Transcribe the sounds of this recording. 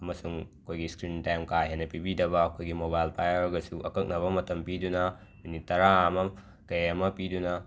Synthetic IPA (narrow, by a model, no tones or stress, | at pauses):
ɐmɐsuŋɐkʰojɡiskɾintaŋkajɦenɐpibidɐbɐːkʰojɡimobajlpajɐɾɡɐsuʔɐkɐk̚nɐβɐmɐtɐmpidunɐ | minitːɐɾaːmɐ | kɐjɐmɐpidunɐ